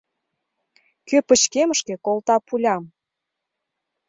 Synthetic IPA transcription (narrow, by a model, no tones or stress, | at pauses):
køpət͡ɕkeməʃkekolt̪ɑpulʲɑm